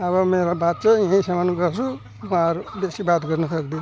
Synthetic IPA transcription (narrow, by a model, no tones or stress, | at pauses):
ʌβʌmeɾobat̪̚t͡sʌãĩsʌmanɡʌt͡sʰu | mʌaɾubesibat̪ɡʌrnʌsʌkd̪i